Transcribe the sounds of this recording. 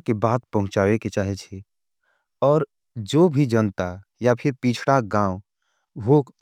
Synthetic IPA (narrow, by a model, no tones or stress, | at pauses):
kebaːt̪pəɦʊ̃t͡ʃaʋeket͡ʃaːɦɛt͡ʃʰe | ɔːɾ | d͡ʒobʱid͡ʒənt̪a | japʰɪɾpit͡ʃʰɽaɡãːw | ɦok